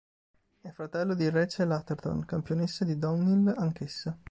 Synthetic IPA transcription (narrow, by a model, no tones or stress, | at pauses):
ɛfɾat̪ɛlːod̪irɛt͡ʃelat̪ert̪o̰nkampjonesːad̪id̪ɔmnilaŋk̟esːa